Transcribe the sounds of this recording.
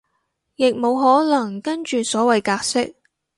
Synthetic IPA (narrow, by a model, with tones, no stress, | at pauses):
jɪ˨k̚mo˨˧wɦɔː˨˥lɐ˨˩ŋkɐ˥nt͡ʃyː˨sɔː˨˥wɐ˨jkaː˧k̚sɪ˥k̚